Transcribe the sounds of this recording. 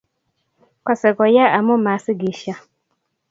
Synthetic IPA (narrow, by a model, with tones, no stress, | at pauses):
kɔ˨sɛ˨ɡɔ˨ja˦ʔa˨mʊ̃˦ma˨˦sɪ˦ɡi˨ʃa˦